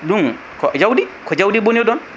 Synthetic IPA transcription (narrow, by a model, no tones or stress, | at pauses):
duŋ | kɔd͡ʒawdikɔd͡ʒawdibonedɔn